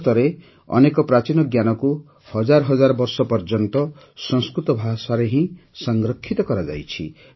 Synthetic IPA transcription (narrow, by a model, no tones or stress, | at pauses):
t̪ɔɾe | ɔ̰nekɔpɾat͡ʃinɔɡjanɔku | hɔd͡ʒaɾɔɦɔd͡ʒaɾɔbɔɾsɔpɔɾd͡ʒɔnt̪ɔ | sɔ̃ŋskɾut̪ɔbʱasaɾeɦĩsɔŋɡɾɔkʰːit̪ɔkɔɾad͡ʒa̰jt͡ʃʰḭ